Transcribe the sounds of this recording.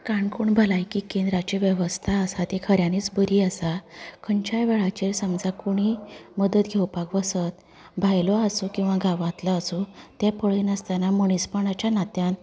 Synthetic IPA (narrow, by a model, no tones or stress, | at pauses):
kaɳkuɳbʱəlajkikẽnd̪ɾat͡ɕeʋjəʋəst̪ʰaəsat̪ekʰəɾjaniːt͡sbəɾiːəsakʰəɲt͡ɕajʋeɭat͡ɕeɾsəmd͡zʱakoɽ̃iməd̪ət̪ɡʱewpakʋəsət̪ | bʱajlɔasukĩw̃ʋaɡʱaʋat̪ləːsut̪apəɭiːnəst̪anaməɳ̃ispəɳat͡ɕanat̪jan